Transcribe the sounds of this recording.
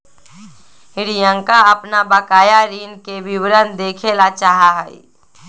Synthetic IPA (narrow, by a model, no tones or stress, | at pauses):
ɦɪɾɪjãŋkaəpnabəkaːjaɾiːnkeʋɪwɾənd̪eːkʰelat͡ʃaːɦaɦ